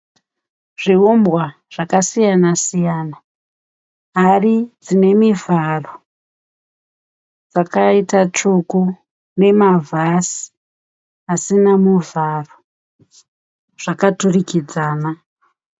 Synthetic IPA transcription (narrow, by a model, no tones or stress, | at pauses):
ʐiombwa | ʐ̥akasijanasijana | ɦarid͡zine̞mivʱaro | d͡zakaitat͡ʂuku | ne̞mavʱasi̥ | asinamuvʱaro | ʐ̥akaturikid͡zaːna